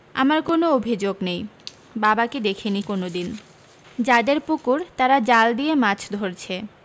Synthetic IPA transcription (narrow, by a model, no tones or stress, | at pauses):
a̰maɾkonoobʱid͡ʑoɡnej | babaked̪ekʰenikonod̪in | d͡ʑad̪eɾpukuɾt̪aɾad͡ʑald̪ijemat͡ɕʰd̪ʱoɾt͡ɕʰe